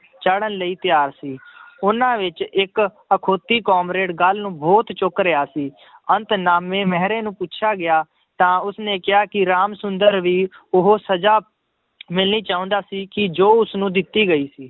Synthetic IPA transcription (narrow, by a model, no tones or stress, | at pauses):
t͡ʃəɽənləiːt̪ɪjaːɾsiːʊnãːʋɪt͡ʃɪk | əkʰoːt̪iːkɔːmɾeːɖɡəlnũːbɔːt̪t͡ʃʊkɾɪaːsiː | ənt̪naːmẽːmɛɦɾẽːnũːpuːʃʰaːɡɪjaː | t̪ãːʊsnẽːkɪɦaːkɪɾaːmsʊnd̪əɾʋiːʊɦoːsəd͡ʒaː | mɪlniːt͡ʃaːʊ̃nd̪aːsiːkɪd͡ʒoːʊsnũːd̪ɪt̪ːiːɡəiːsiː